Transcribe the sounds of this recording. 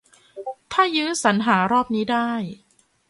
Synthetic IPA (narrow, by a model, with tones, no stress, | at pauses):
t̪ʰaː˥˩jɯː˦˥sa˩˦nɦaː˩˦ɾɔː˥˩p̚niː˦˥daː˥˩j